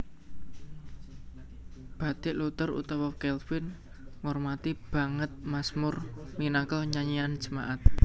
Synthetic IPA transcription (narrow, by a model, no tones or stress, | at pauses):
b̥a̤d̪̥ɪʔlut̪əɾṵt̪awɔkɛlfɪn | ŋɔrmat̪ib̥a̤ŋət̪̚masmʊrminakəlɲaɲian̥d͡ʒə̤maʔat̪̚